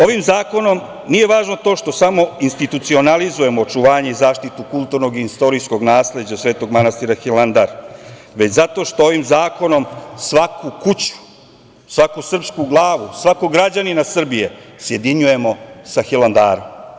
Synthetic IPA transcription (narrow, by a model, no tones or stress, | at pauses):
o̞ʋimzaːko̞no̞m | nije̞ʋaːʒno̞t̪o̞ːʃt̪o̞samo̞inst̪it̪ut̪sio̞nalizuje̞moːt͡ʃuʋaːɲe̞izaːʃt̪it̪ukulˠt̪uɾno̞ɡiist̪o̞ɾisko̞ɡnaːsle̞d͡ʑasʋe̞ːt̪o̞ɡmanast̪iɾaxiland̪aɾ | ʋe̞t͡ɕzat̪o̞ːʃt̪ooʋimzaːko̞no̞msʋakukut͡ɕu̥ | sʋakusr̩pskuɡlˠaːʋusʋakoɡɾad͡ʑaninasr̩bijesje̞d̪iɲuje̞mo̞saxiland̪a̰ːɾo̰m